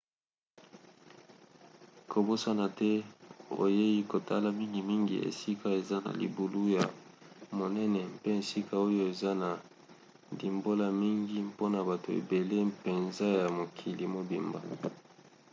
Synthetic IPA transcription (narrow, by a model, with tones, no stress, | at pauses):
ko˨bo˦sa˦na˨tɛ˦o̰˨je˦i˦ko˨ta̰˦la˨mi˦ŋɡi˨mi˦ŋɡḭ˨ḛ˨si˦ka˦e˨za˦na̰˨lḭ˨bu˨lu˦ja˨mo˨nɛ˦nɛ˨mpe˦e˨si˦ka˦o˦jo˦e˨za˦na˨ | ndi˨mbo˦la˦mi˦ŋɡi˦mpo˦na˨ba˨to˨ḛ˨be˨le˦pe˨nza˦ja˨mo˨kʰi˨li˨mo˨bi˨mba˨